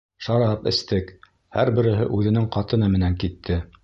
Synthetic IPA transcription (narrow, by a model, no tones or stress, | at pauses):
ʃɑɾɑpɘ̆st̪ɘk | hæɾbɘ̆ɾɘ̆ɦɘʔʉðɘ̆nɘŋqɑt̪ɤ̆nɑmɘ̆næŋkit̪ʰːɘ